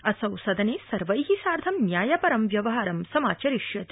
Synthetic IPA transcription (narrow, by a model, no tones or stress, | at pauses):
ɐsɐwsɐd̪ɐneːsɐɾʋɐjɦisaːɾd̪ʱɐmnjaːjɐpɐɾɐmʋjɐʋɐɦaːɾɐmsɐmaːt͡ʃɐɾiʃjɐt̪